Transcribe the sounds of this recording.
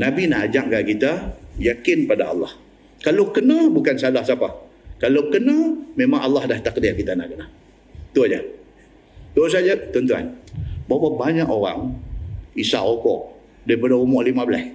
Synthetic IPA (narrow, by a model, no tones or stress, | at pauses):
nabinaʔad͡ʒaʔkaʔkit̪ajakɪnpadaɑ̰lːɑh | kalowkənabukansalahsapa | kalowkənamemaŋʔalːahdaht̪ak̚diʔkit̪ana̰ʔkəna | t̪uɲa | t̪us̬ad͡ʒat̪ɔnt̪ua̰nbawabaɲakoɾa̰ŋ | isa̰ʔokɔ̰ʔ | daipadaumɔʔlimabəla̰s